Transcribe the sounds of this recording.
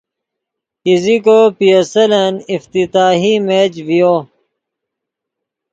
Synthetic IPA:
izikopijɐsɐlɐnift̪it̪aːɦimeːd͡ʑvijoː

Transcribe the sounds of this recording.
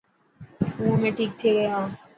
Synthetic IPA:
umẽːʈʰiːk̚t̪ʰeːɡəjɦãː

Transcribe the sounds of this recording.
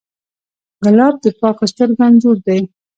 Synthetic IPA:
ɣɪlɑb̚d̪əpɑqast̪əɾɡand̪d͡ʒoɽd̪aj

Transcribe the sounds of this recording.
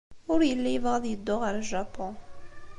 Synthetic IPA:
ʊɾjəlːæjəvʁɑðjəd̪ːʊʁaɾlʒapɔ̃

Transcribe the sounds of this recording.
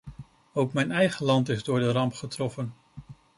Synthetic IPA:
owkmɛjnɛjχəlɑntɪzdʊːɹdərɑmpχətrɔfən

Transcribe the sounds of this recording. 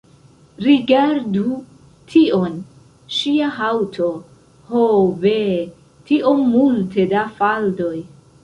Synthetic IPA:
ɾiɡaɾdu | tʰio̞n | ʃiaɦawtʰo̞ | hobe | tiʔo̞ːulte̞dafaldo̞j

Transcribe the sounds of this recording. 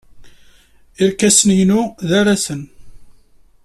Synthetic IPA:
ɪɾkæsənjnuðaɾasən

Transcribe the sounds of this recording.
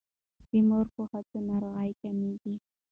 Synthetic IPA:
t̪ɪmoɾkʊhat̪ʊnaɾɢɑjkanɪkɪ

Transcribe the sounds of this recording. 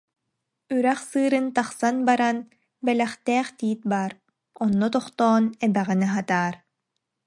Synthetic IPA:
yɾɛχsɯːɾɯnt̪aχsanbaɾan | bɛlɛχt̪ɛːχt̪iːt̪̚baːɾ | ɔnːɔt̪ɔχt̪ɔːnɛbɛʁɛnɛɦat̪aːɾ

